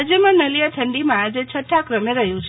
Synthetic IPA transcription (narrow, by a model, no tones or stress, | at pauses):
d͡ʒemãnəlijat̪ʰəɳɖimãad͡ʒet͡ʃʰəʈʰːakɾəmeɾəɦjũt͡ʃʰ